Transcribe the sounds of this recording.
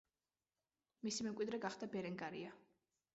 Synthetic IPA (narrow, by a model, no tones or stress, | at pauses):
misimɛmkʼid̪ɾɛɡaχd̪abɛɾɛŋɡaɾḭa